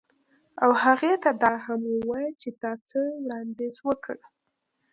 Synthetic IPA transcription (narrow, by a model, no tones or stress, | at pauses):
awhaɣet̪ad̪ɑɦamwəwɑjt͡ʃet̪ɑt͡səwɽɑnd̪ezwəkʰəɽ